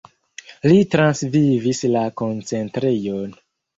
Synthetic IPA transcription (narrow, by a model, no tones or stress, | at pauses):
litɾansvivislako̞nt͡se̞ntɾejon